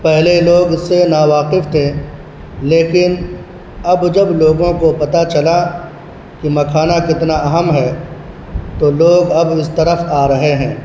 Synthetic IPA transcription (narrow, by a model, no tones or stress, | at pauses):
pɛɦleloːɡsenaːwaːqɪft̪ʰẽ | leːkɪn | ɐbd͡ʒɐbloːɡõkopɐt̪at͡ʃɐla | kimɐkʰaːnakɪt̪naʔɐɦəmɦɛː | t̪oloːɡɐbɪst̪ɐɾəfaːɾɐɦeɦɛ̃ː